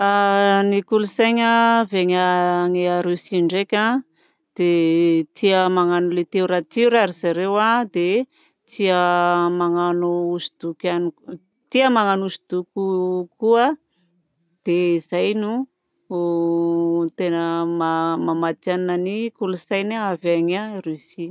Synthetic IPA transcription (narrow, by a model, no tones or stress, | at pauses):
anikulusajɲəveɲəŋeaɾusiɳɖ͡ʐekʲa | d̪̥et̪iəmaŋanulet̪euɾat̪iuɾaɾizaɾewad̪e | t͡siəmaŋanuːzud̪̥ukani | t̪iəmaŋanuzid̪̥ukʲukuə | d̪̥eizajnu | t̪enəmamamat̪aninanikulusajnaavaŋarysi